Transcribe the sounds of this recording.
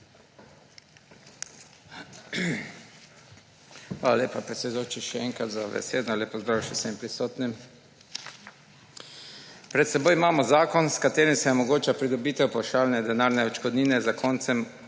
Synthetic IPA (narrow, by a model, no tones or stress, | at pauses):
xʋaːlaleːpapɾɛt̪sɛd̪ujot͡ʃiʃɛɛŋkɾat̪zaʋɛ̰seːd̪nɔlepɔzd̪ɾaːwʃɛsɛmpɾisɔːt̪nim | pɾɛt̪sɛbojimaːmɔzaːkɔnskat̪eːɾimsɛɔmɔɡoːt͡ʃapɾid̪ɔbiːt̪ɛwplaʃaːlnɛd̪ɛnaːɾnɛɔt͡ʃkɔd̪niːnɛzakʰɔnt̪sɛm